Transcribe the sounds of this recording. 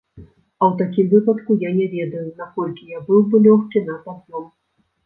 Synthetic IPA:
ɐwt̪akʲimvɨpɐt̪kujanʲɛvʲɛd̪ɐjunakɔlʲkʲijabɨwbɨlʲɔxkʲinɐpazʲɔm

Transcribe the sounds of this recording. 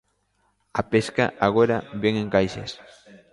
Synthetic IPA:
apeska̰ʔaɣoɾabeŋeŋkajʃes

